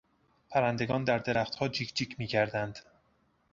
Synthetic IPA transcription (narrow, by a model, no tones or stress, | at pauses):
pʰæɾænd̪e̞ɡɒːnd̪æɾd̪e̞ɾæxt̪hɒːd͡ʒikd͡ʒiːcʰmiːcʰæɾd̪ænd̪̥